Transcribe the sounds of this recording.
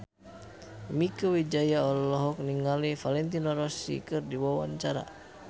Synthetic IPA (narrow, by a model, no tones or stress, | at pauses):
mikəwid͡ʒajaɔlɔlɔɦɔk̚niŋalifalɛnt̪inɔɾɔsḭkɨrdiwawa̰ɲt͡ʃaɾa̰